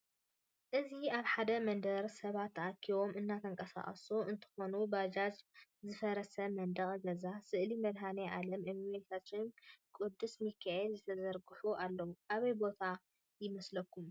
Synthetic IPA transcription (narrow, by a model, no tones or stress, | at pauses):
ʔɨziaβħad̪ɐmɐnd̪ɐɾsɐβat̪ʰːɐʔakʰːiβo̞mʔɨnːat̪ʰɐŋkʼɐsa̰χʼɐ̰suɨnt̪ʰɨ̥xo̞nubad͡ʒad͡ʒzɨfɐɾɐsɐmɐnd̪ɐχʼɡɐzasɨʔlimɐd̪ɦaneʔalɐmɨmiβejt̪ʰat͡ʃːɪnkʼud̪ːusmɨkʰːajelzɨt̪ʰɐzɐɾɡɨħuʔalːɐwuʔaβɐjbo̞t̪ʰa | jɪmɐslɐkːum